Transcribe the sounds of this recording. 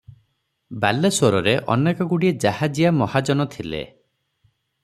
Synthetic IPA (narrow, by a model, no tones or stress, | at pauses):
balesoɾɔɾeʔɔ̰nekɔɡuɽied͡ʒahad͡ʒijamɔhad͡ʒɔnɔt̪ʰilḛ